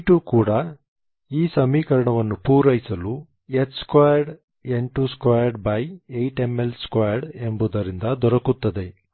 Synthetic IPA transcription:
ʈukuːɽɐ | iːsɐmiːkɐɾɐɳɐʋɐnːupuːɾɐjsɐlu | et̪skaːjɐɾɖ | eɳʈuskaːjɐɾɖbɐjejʈe̞mːelskaːjɐɾɖe̞mbud̪ɐɾind̪ɐd̪ɔɾɐkut̪ːɐd̪e̞

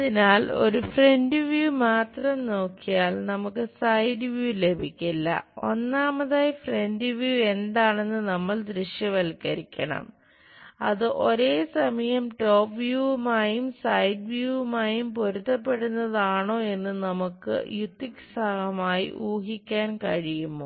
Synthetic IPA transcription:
ɐðinaːlo̞̰ɾufre̞ndɨʋjuːmaːt̪rɐmno̞ːkːijaːlnɐmukːɨsɐjdɨʋjuːle̞bʱikʲːilːɐ̰o̞̰nːaːmɐðaːjfre̞ndɨʋjuːe̞nd̪aːɳe̞nːɨnɐmːɐɭd̪ɾiɕjɐʋɐlkːɐɾikʲːɐɳɐ̰m | ɐðɨʔo̞ɾe̞ːsɐmɐjɐmʈo̞ːpʋjuːmaːjumsɐjdʋjumaːjumpo̞ɾut̪ːɐpːe̞ɽunːɐðaːɳo̞ːe̞nːɨnɐmukːɨ̰jut̪ːiksaːhɐmaːjḭʔuːɦikʲːaːnkɐɻijumːoː

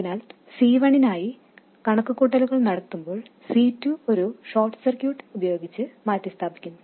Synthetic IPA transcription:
ɐðinaːl | siːʋɐɳinaːji | kɐɳɐkːɐkːuːʈːɐluɣɐɭnɐɽɐt̪ːumbo̞ːɭsiːtːuo̞ɾuʂoːrʈːɨ̥sirkjuːʈːubɐjo̞ːɡit͡ɕːɨmaːtːɐst̪ʰaːbikʲːunːu

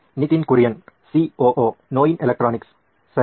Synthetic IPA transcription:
nɪt̪ɪnkʊɾɪjɐnsioːʔoːnoːjɪnʔɛlɐk̚ʈɾaːnɪks | sɐ

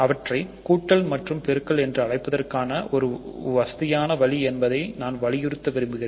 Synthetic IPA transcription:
ɐʋɐʈrɐɪkuːʈːɐɭmɐʈrɯmpɛɾɯkːɐɭɛndrɯɐɽɐɪpːɐðɐrkaːnɐʔɔɾɯʋɐsɐðɪjaːnɐʋɐɭiɛnbɐðɐɪnaːnʋɐɭɪjɪɾɯt̪ːɐʋɛɾɯmbɯɣɪreːn

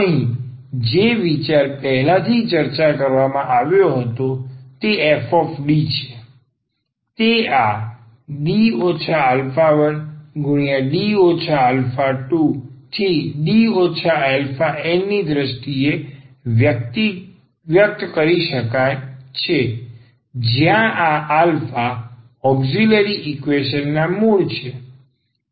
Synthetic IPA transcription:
əɦĩd͡ʒeʋit͡ʃaɾpɛɦɛlãt̪ʰit͡ʃəɾt͡ʃakəɾʋamãʔaʋjoɦət̪ot̪eefɔfɖit͡ʃʰe̥ | t̪ea | ɖiot͡ʃʰaːlfaʋənɡʱʊɳ̃ijaɖiot͡ʃʰaəlfaʈuʈʰiɖiot͡ʃʰaalfaenːid̪ɾəʃʈiejəkt̪i | ʋjək̚t̪kəɾiʃəkajt͡ʃʰe | d͡ʒjãʔaʔalfa | ɔbd͡ʒiləɾiʔikʋeʃənːamuɭt͡ʃʰe

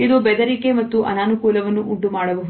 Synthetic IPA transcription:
id̪ubɛd̪ɐɾike̞mɐt̪ːuʔɐ̰naːnukuːlɐʋɐnːuʔuɳʈumaːɽɐʋɐɦ

